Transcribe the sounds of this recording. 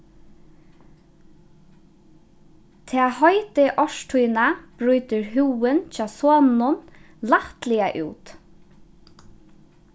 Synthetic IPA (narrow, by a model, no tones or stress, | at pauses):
t̪ʰɛahɔʏt̪ɪʔɔʃtʰujnab̥ɾʉjt̪ɪɹɦʉːɪnt͡ʃɑːsoːnnʊn | laht̪lɪaʔṵːt̪